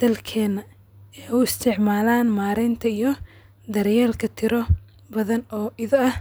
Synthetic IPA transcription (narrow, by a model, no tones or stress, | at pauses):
d̪̥ɐlkʰɛːnɐ | ɛʊɪst̪ʰɪʕmaːlaːnmaːɾɛnt̪ʰɐijɞ | d̪ɐɾjaːlkʰɐt̪ʰɪɾɔ | bɐðɐnɔːʔɪðɐɐh